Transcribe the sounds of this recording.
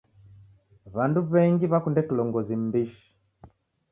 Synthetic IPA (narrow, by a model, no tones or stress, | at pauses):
βanduβɛŋɡiβakundɛkulɔŋɡɔzim̩biʃi̥